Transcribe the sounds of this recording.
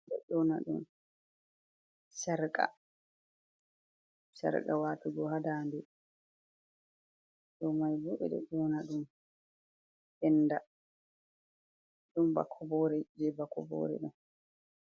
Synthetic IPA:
ɗɛ̰ɗɔna̰ɗṵm | sɛɾka̰ | sa̰ɾka̰waːtuɡɔhadandɛ | ɗɔmajbuɓɛ̰ɗɛ̰ɗɔnaɗum | ʔɛnːda | ɗumba̰kʰɔbɔɾɛd͡ʒɛbakɔbɔ̰ːɾɛ̰ɗum

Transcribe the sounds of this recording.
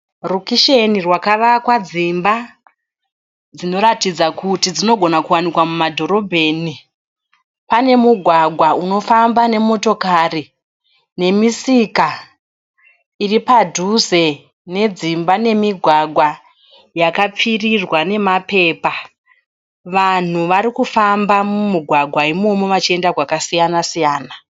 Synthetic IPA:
rukiʃenirwakaʋakwad͡zimba | d͡zino̞ɾatid͡zakutid͡zino̞ɡʱo̞nakuwanikwamumadʱo̞ɾo̞bʱe̞ːni | pane̞muɡʱwaɡʱwauno̞fambane̞mo̞to̞kari | ne̞misika | iripadʱuze̞ | ne̞d͡zimbane̞miɡʱwaɡʱwa | jakap͡firirwane̞mape̞ːpa | ʋan̤uʋaɾikufambamumiɡʱwaɡʱwaimo̞mo̞ʋat͡ʃie̞ndaɡwakasijanasijaːna

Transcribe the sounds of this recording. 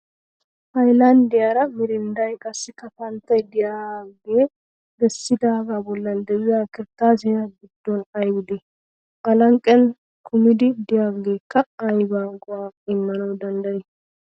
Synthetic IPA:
pɐjlɐnd̪ɪjaɾɐmɪɾɪnd̪ɐjkʼɐsːɪkɐfɐnt̪ːɐjd̪ɪjaːɡeː | ɡɛsːɪd̪aːɡabɔlːɐnd̪ɛwɪjaːkɪɾt̪ːaːs̬ɪjɐɡɪd̪ːɔnɐjbɪd̪ɛ | ʔɐlɐŋkʼːɛn | kʰʊmɪd̪ɪd̪ɪjaːɡɡeːkːɐɐjbaːŋɡʼʊwaːɪmːɐnɐwd̪ɐnd̪ɐje

